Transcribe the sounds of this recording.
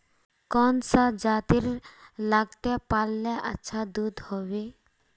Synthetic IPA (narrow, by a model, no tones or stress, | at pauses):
kɔnsad͡ʒat̪iɾlaɡt̪epalːɛʔa̰tːʃʰad̪ud̪hɔbe